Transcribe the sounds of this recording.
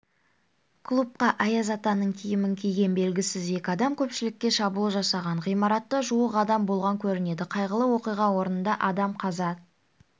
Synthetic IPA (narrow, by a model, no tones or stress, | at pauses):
kʰlˠup̚qɑʔɑjɑzɑt̪ɑnəɴkʲʰijɪmɪŋkʲʰijɡʲe̞nbe̞lɡʲɪsɪze̞kʲɪɑd̪ɑmkʲʰɵpʃɪlɪkʲːe̞ʃɑbulˠəʒɑsɑʁɑɴʁijmɑɾɑt̪ːəʒuəqɑd̪ɑmbo̞lˠʁɑŋkʲʰɵɾɪne̞d̪ɪqʰɑjʁəlˠəwo̞qijʁɑwo̞ɾənənd̪ɑʔɑd̪ɑmqʰɑzɑ